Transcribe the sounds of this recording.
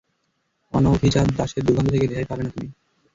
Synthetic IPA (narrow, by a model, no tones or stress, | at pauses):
ɔnoobʱit͡ɕad̪d̪aʃeɾd̪uɡʱɔnd̪ot̪ʰeked̪ekʰajpabenat̪umi